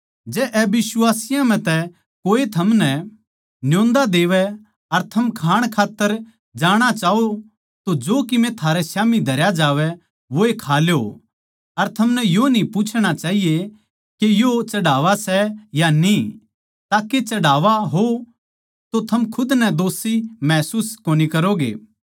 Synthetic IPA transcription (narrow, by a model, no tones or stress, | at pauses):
d͡ʒɛːʔɛbɪsʊaːsɪjãm̤ɛ̃t̪ɛ | koːet̪ʰɐmnɛ | njõːnd̪ad̪eːʋɛ | ɐɾt̪ʰɐmkʰaːɽ̃kʰaːt̪ːəɾ | d͡ʒaːɽ̃at͡ʃaːo | t̪od͡ʒoːkɪmɛ̃t̪ʰaːɾɛsjaːmid̪ʱɐɾjad͡ʒaːʋɛ | ʋoekʰaːljo | ɐɾt̪ʰɐmnɛjonĩpuːt͡ʃʰɽ̃at͡ʃaːɦije | kejot͡ʃɐɽaːʋasɛjani | t̪aːket͡ʃɐɽaːʋaɦo | t̪ot̪ʰɐmkʰʊd̪nɛd̪oːsimɛːsuːskoːnikɐɾoɡḛː